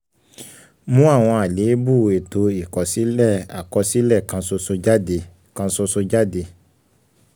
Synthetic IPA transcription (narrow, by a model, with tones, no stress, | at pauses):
mũ˦a˦˨w̃ɔ̃˧a˨le˨˦bu˦˨e˨to˧i˨kɔ˨si˨˦lɛ˦˨a˨kɔ˧si˦lɛ˦˨kã˧˦so˧so˧d͡ʒa˦de˧ | kã˧so˧so˧d͡ʒa˦˨de˧